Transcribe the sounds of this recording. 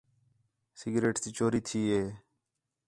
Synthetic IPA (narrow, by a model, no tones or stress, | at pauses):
sɪɡɾeːʈsiːt͡ʃoːɾiːt̪ʰiːɦeː